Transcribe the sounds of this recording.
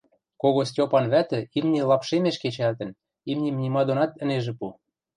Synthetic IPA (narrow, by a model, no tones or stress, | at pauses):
koɣosʲtʲopɑnβæt̪ɘ̆imnʲĕlɑpʃemeʃket͡ɕært̪ə̆n | imnʲemnʲimɑd̪onɑt̪ə̆neʒĕpu